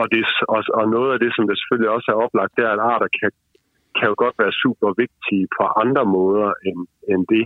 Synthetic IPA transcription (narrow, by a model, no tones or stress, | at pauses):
ɒ̽d̥e̝ɒɒnɔ̽ːð̞̩ˠæd̥e̝sɒ̽md̥ese̥følljiɒ̽səæɐɒ̽b̥lɑ̈ɡ̥̚d̥eæɐedɑ̰̈ːɾ̥ɐkʰæ | kʰæjo̝ɡ̥ɒ̽d̥ʋæːɐsṵːb̥ɐʋe̝ɡ̥̚d̥ipʰɒ̽ʔɑ̈nd̥ʁɐmɔ̽ːð̞ˠɐʔenend̥e̝